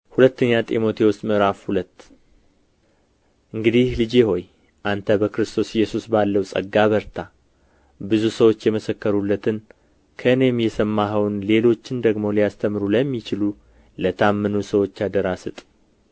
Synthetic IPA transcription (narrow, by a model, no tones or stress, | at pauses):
hulət̪ːəɲːat̪ʼimo̞t̪ʰe̞wost̪ʼmɨɾafhulət̪ː | ʔɨŋɡɨd̪ihlɨd͡ʒe̞ho̞j | ʔant̪ʰəbəkɾɨst̪ʰo̞sɪjːɛsusbalːəwsʼə̰ɡːaβəɾt̪ʰa | bɨzusəwo̞t͡ʃːjɛməsəkːəɾulːət̪ʰɨn | kʰəɨne̞mjɛsəmːaɦəwnle̞lo̞t͡ʃːɪnd̪əɡmo̞lijast̪ʰəmɨɾuləmːit͡ʃɪlu | lət̪ʰamːɨnusəwo̞t͡ʃːad̪əɾasɨt̪ʼ